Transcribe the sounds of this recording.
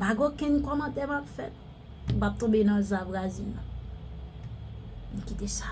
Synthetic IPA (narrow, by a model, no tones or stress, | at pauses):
baɡokɛ̃ɲkɔnãtɛmapfɛt̪̚ | bap̚t̪õbenãzabɣazilnã | n̩kitesḁ